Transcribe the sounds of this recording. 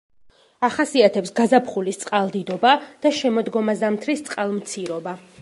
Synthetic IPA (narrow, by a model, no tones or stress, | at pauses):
aχasiat̪ʰɛpsɡazapʰχulist̪sʼqʼalˠd̪id̪ɔbad̪̥aʃɛmɔd̪ɡɔmazamt̪ʰɾist̪sʼqʼalˠmt̪sʰiɾɔba